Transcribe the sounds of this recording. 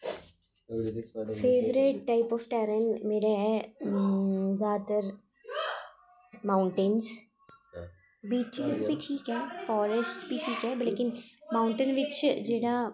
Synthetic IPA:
fʰeːʋɾeʈ̚ʈːaːɪpɔːfʈɛːɾənmeːɾeɦɛː | zaːd̪əɾ | mãːʊ̃ɳʈɪnz | biːt͡ʃɪzbʱiʈʰiːkɦɛːfɔːɾəsʈbʱiʈʰiːkɦɛːblekɪnmãːʊ̃ɳʈənʋɪt͡ʃd͡ʒeːɽa

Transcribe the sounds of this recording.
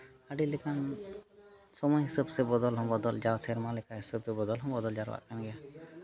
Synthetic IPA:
əɖilɛkan | sɔmɔjɦisəbsɛbɔd̪ɔlɦɔ̃mbɔd̪ɔld͡ʒawsɛɾmalɛkaɦisəbsɛbɔd̪ɔlɦɔmbɔd̪ɔld͡ʒaɾwa̰ʔkanɡɛja

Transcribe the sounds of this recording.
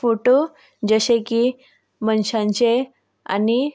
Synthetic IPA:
foʈo | d͡ʑəɕeki | mənɕãɲt͡ɕe | a̰ni

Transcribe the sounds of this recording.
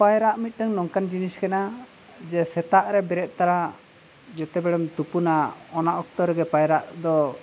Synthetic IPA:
pajɾaʔmit̪̚ˀʈaŋnɔŋkand͡ʒiniskɛna | d͡ʒɛsɛt̪aʔɾɛbɛɾɛt̪̚t̪aɾa | d͡ʒɔt̪ɛbɛɽɛmt̪upunaɔnaʔɔk̚t̪ɔɾɛɡɛpajɾaʔd̪ɔ

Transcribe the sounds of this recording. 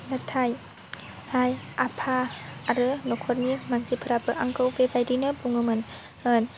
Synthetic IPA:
nat̪ʰaj | hajʔapʰaːɾɯnokʰɔɾ̚nimansipʰəɾapɯʔaŋkowbebajdinɯbuŋɯmɯn | ən

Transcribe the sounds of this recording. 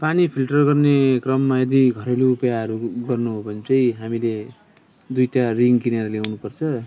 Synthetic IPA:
panipʰilʈʌrɡʌrnekrʌmːajed̪iɡʱʌɾeluːpjaɦʌɾuɡʌrnuɦobʱʌnt͡sʌj̃ɦamile | d̪ujʈariŋɡkineɾljawnupʌrt͡sʰʌ

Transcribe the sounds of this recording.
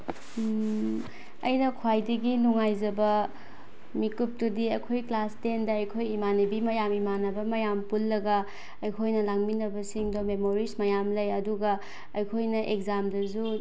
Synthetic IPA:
ɐ̰jnɐkʰwajdɐɡinuŋajzɐbɐ | mikup̚tudiɐkʰojklastendɐɐjkʰojimanebimɐjamimanɐbɐmɐjampulːɐɡɐ | ɐjkʰojnɐlaŋminɐbɐsiŋdomemoɾismɐjamlɐjɐduɡɐ | ɐjkʰojnɐʔekzamdɐzu

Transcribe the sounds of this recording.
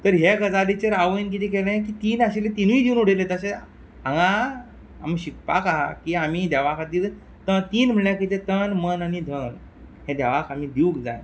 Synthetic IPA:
t̪əɾɦekəd͡zalit͡ɕəɾaʋəink̬it̪ik̬eleẽk̬iːt̪iːnaɕilet̪inuid̪iwnuɽ̤elet̪əse | ãŋɡa | a̰mɕik̚pa̰kaɦakiam̤id̪aʋakʰat̪il | t̪ət̪iːnm̤əɳjakit̪et̪ənmənanid̪ʱən | ɦẽd̪aʋakʰam̤iːd̪iukd͡za̰j

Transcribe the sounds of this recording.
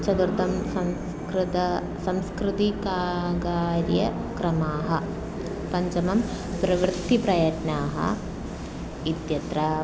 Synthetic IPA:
t͡ʃɐd̪uɾd̪ʱɐmsɐms | kɾɪt̪ɐ | sɐmskɾɪt̪ikaːɡaːɾjɐkɾɐmaːɦɐ | pɐɲt͡ʃɐmɐm | pɾɐʋɾt̪ːipɾɐjɐʈnaːɦɐ̰ | id̪jɐt̪ɾɐ

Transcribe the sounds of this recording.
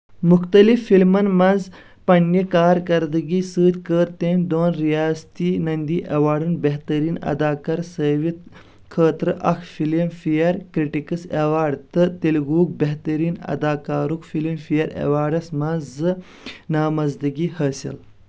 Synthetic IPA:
muxt̪ɐlifːilmɐnmɐz | pɐɳːikaːɾkɐɾd̪ɐɡiːsɨːd̪ʲkəːɾt̪emʲd̪oːnɾijaːst̪inɐnd̪iʔɐwaːɖunbeɦt̪ɐɾiːnɐ̰d̪aːkɐɾsəːʋit̪ | kʰəːt̪ɾɨʔɐxfilimfijɐɾkɾiʈikəsewaːɖt̪ɨt̪ilɣuːk̚beht̪ɐɾiːnɐ̰d̪aːkaːɾukfilimfiɐɾḛwaːɖɐsmɐnzɨ | naːmɐzd̪ɐɡihɐːsḭl

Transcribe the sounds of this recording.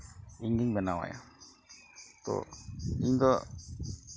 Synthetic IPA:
iɲd̪iŋbɛnawa̰ja | t̪ɔ̰iɲd̪ɔ

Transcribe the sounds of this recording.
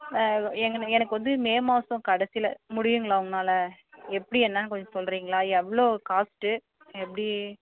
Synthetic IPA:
ɛŋɡɐɛnɐk̬ːɯʋɐnd̪ɯmeːmɐːsʊ̃kɐɽɐsɪlɐmʊɽɪjɯŋɡɐɭaːʋʊŋɡɐnaːlɐɛpːɐɽiɛnːankɔɲd͡ʒɔ̃sɔlːɾiːŋɡɐɭaːɛʋːɭoːkaːsʈɯ | ɛpːɐɽi

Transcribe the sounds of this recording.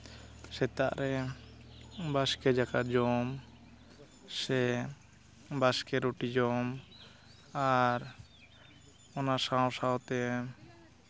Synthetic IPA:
sɛt̪aʔɾɛ | baskɛd͡ʒakaɾd͡ʒɔm | sɛ | baskɛɾoʈid͡ʒɔm | aɾ | ɔnasaw̃sawt̪ɛ

